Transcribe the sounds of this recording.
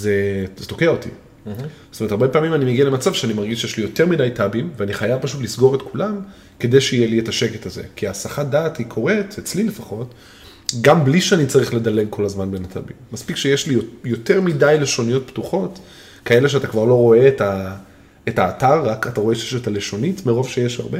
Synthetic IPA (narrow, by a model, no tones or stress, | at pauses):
zezeto̞keaotḭ | sotomet̪aʁbepaːmimanimeɡiale̞mat͡savʃeanimaʁɡiʃjɛʃlijo̞te̞ʁmidajtabimveaniχajavpaʃutlisɡo̞ʁe̞tkulam | ke̞d̪ejʃeijelietaʃeketaze̞̰kiaːsaχadaːthikʰo̞ʁe̞tet͡slilefaχo̞t | ɡambliʃeanit͡saʁiχle̞dale̞ɡko̞lazmanbenatʰa̰bḭmːaspikʃejeʃliojo̞te̞ʁmidajle̞ʃo̞nijo̞t̚ptuχo̞t | kaeleʃeatakvaʁlo̞ʁo̞e̞ːta | etaːtaʁːakataʁo̞eʃejeʃetaleʃo̞nitmeʁo̞vʃejeʃhaʁbe